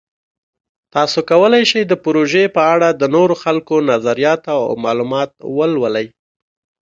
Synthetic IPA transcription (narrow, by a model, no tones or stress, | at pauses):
t̪ɑsokawəlajʃajd̪əpɾoʒepəaɽad̪ənoɾoxalkonazaɾijɑt̪aa̰wmɑlumɑt̪̚wəlwəlaj